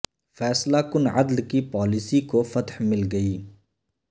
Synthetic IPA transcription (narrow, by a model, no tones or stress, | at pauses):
fɛːslakʊnʕɐd̪lkipɔːlɪsikofɐt̪hmɪlɡɐiː